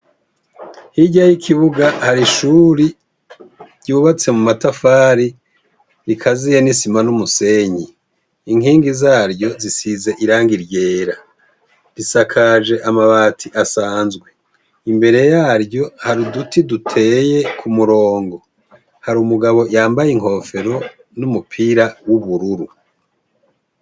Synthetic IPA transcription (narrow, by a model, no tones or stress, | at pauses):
hiɟajikʰiβuɡahaɾiʃuɾi | ɾɟuːβat͡se̞mumatafaːɾi | ɾikʰazijanisimanumuse̞ɲiː | ŋhiːŋɡizaːɾɟo̞zisize̞ʔiɾaːŋɡiɾɟe̞ːɾa | ɾisakʰaʒe̞ʔamaβaːtʰiʔasaːnzɡwe̞ | imbe̞ɾe̞jaːɾjo̞haɾidutʰidutʰe̞je̞kʰumuɾo̞ːŋɡo̞ | haɾumuɡaβo̞jaːmbajiŋ̥ho̞fe̞ɾo̞ | numupʰiɾawuβuɾuɾu